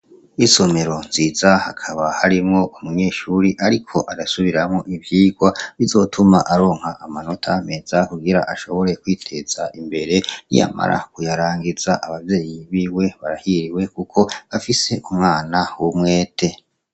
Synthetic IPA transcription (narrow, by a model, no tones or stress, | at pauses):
iso̞me̞ɾo̞nziːzahakʰaβahaɾimŋo̞umuɲe̞ːʃuɾiʔaɾikʰo̞ʔadasuβiɾamŋo̞ʔivjiːɡwaβizo̞ːtʰumaʔaɾo̞ːŋhaʔamano̞tʰame̞zakuɡiɾa̰ʔaʃo̞βo̞ɾe̞kwiːtʰe̞z̥aʔimbe̞ɾe̞nḭja̰ma̰ɾʔa̰kujaɾaːŋɡiz̥aʔaβavje̞ːjiβiːwe̞βaɾahiɾiwe̞kukʰo̞βafise̞ʔumŋaːnawumŋe̞ːtʰe̞